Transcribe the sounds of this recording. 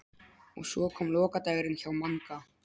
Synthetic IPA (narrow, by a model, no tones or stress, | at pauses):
ɔ̰ɣswɔːkʰɔːmlɔːkat̪ajɣɾɪnçawmaŋka